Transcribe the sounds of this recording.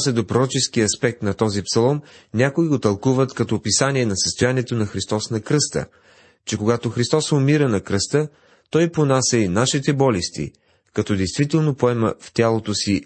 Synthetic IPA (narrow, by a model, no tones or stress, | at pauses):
sʲɛd̪opɾoɾɔt͡ʃɛsk̟iɐspɛk̚t̪nɐt̪ɔzipsɐlˠɔnnʲakʊiɡot̪ɐlˠkuvət̪kɐt̪ɔpisaniɛnɐsəst̪ojaniɛt̪onɐxɾist̪ɔsnɐkɾɤst̪ə̰ | t͡ʃɛkoɡat̪oxɾist̪ɔsomiɾənɐkɾɤst̪ə | t̪ɔjponasʲəinaʃit̪ɛbɔlist̪ḭ | kɐt̪ɔd̪ɛjst̪vit̪ɛlˠnopoɛmə̰ft̪ʲalˠot̪osi